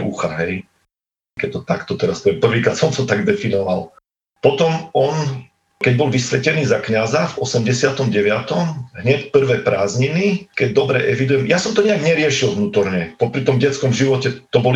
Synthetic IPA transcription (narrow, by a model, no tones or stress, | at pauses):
uxaɦɛj | kɛt̪ɔt̪akt̪ɔt̪ɛɾaspɛpr̩ʋiːkɾaːt̪sɔnt̪ɔt̪aɡd̪ɛfinɔʋal | pɔt̪ɔmɔn | kɛɟ̚bɔlʋisʋɛcɛniːzakɲazavʔɔsɛmɟɛsɪat̪ɔmɟɛʋɪat̪ɔmɦɲɛcpr̩ʋɛːpɾaːzɲinikɛɟ̚d̪ɔbɾɛʔɛʋid̪ujɛmjasɔmt̪ɔɲɛaɡɲɛɾɪɛʃilʋnuːt̪ɔɾɲɛpɔpɾit̪ɔmɟɛt͡skɔmʒiʋɔcɛt̪ɔbɔl